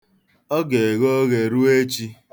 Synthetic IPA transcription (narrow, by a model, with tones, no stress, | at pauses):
ɔ˦ɡe˨e˨ɣo˦ɣe˨ɾu˦e˦t͡ʃi˦